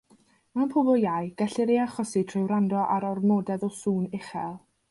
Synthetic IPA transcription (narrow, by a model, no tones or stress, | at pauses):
manpʰɔbɔlˠjajɡ̥ɛɬɪɾeaχɔsitʰrɪwɾandɔʔaɾɔrmɔːdɛðɔsuːnɪχɛlˠ